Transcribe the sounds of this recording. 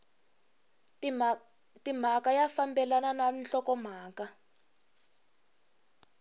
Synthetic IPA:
tʼim̤akajafambɛlanananɬɔkɔm̤aːka

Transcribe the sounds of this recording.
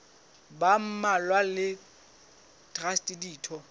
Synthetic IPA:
bam̩malwalɪ | d̥rastʼidiːtʰɔ

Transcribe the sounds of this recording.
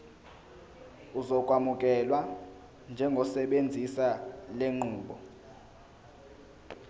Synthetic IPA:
uzɔk̬ʼwamukʼɛlwa | nd͡ʒʱɛŋɡʱɔsɛɓend͡zʱisaleŋ͡ǃuːɓɔ

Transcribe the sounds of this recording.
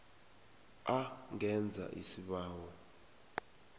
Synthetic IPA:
aŋɛnd͡zʱa̰ʔisiɓaːwɔ

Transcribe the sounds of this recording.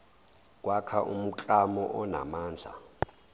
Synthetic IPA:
kʼwakʰaʔum̩t͡ɬʼamɔʔɔna̰maːnd͡ɮʱa̰

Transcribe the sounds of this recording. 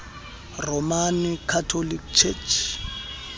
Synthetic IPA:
rɔmankʰatʰolikt͡ʃʰet͡ʃʰ

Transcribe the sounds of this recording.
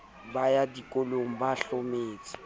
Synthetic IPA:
bajadikʼoloŋ̩baɬomeːt͡sʼi̥

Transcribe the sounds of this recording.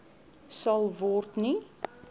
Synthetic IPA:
sɐlˠvɔrtni

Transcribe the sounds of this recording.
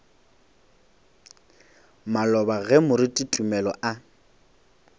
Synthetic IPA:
malɔbaɣɛmʊɾɪtʼitʼumɛlɔʔa

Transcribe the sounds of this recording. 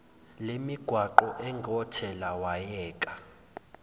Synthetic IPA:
lemiɡ̥ʱwaǃɔʔɛŋɔtʰɛlawajɛːkʼa

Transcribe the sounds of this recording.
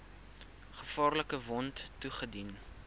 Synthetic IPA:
χəfɑːrləkəvɔnttːuχədin

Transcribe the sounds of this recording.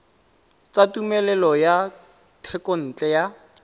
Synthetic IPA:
t͡satumɛlɛlɔja | tʰɛkon̩t͡ɬʼɛja

